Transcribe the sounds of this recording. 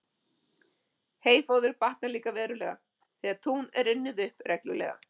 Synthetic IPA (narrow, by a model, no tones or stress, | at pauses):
heːjfoːwðʏɾpaht̪naliːkavɛːɾʏlɛːɣa | θiːaðt̪ʰunɛɾɪnːɪðʏhprɛklʏ̰lɛ̰ːɣa̰